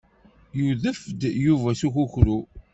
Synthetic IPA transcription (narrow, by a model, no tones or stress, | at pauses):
juðəfd̪juvæsuçuçɾu